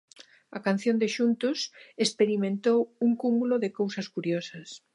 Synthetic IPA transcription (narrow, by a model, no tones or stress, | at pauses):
ɐkan̟θjond̪ɪʃunt̪ʊsespeɾimẽnt̪owuŋkumuloðɪkowsɐskuɾjosɐs